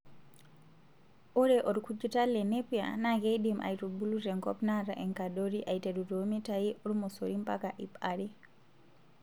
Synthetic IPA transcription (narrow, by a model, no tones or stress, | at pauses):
ʔɔɾɛʔɔɾkud͡ʒutalːɛnepija̰naɡejdimʔa̰jtubulutɛŋkɔpnaɾaʔɛŋkadoɾiʔajtedutomitajiʔɔɾmɔsoɾimpakaʔipaɾi